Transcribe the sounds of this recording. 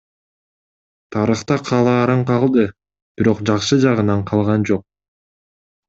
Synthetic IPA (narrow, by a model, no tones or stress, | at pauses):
t̪ʰɑɾɯχt̪ɑqʰɑlˠɑːɾɑɴqʰɑlˠd̪ɯ | b̥iɾo̞qd͡ʒɑqʃɯd͡ʒɑʁɯnɑɴqʰɑlˠʁɑnd͡ʒo̞q̚